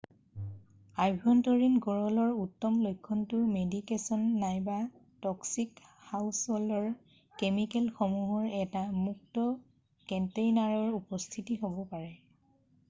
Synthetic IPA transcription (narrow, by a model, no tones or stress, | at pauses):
ajbʱɔntɔɹinɡɔɹɔlɔɹutːɔmlojkʰːɔntʊmedikesɔnːajba | tɔksikhawsholɔɹ | kemikɛlxɔmuɦɔɹɛtamuk̚tɔ | kɛntejnaɹɔɹupɔstʰitiɦobɔpaɹɛ